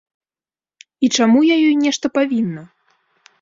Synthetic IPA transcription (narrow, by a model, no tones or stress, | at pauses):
it͡ʂamujajɔjnʲɛʂt̪ɐpavʲinːɐ